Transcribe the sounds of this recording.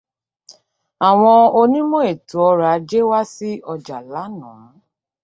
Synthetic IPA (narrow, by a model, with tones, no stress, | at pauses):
a˨w̃ɔ̃˧o˧nĩ˦mɔ̃˦e˨tu˨ɔ˧ɾa˨˦d͡ʒe˦wa˦si˦ɔ˧d͡ʒa˨la˨˦nã̰˨˦